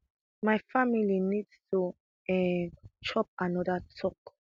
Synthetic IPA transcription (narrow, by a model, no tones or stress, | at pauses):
majfamilinidstʰu | ɛt͡ʃʰɔp̚anɔdətʰɔk